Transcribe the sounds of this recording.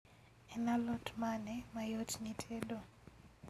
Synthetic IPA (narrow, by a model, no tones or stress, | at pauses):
ɛnalɔtmanɛmajotnitʰedo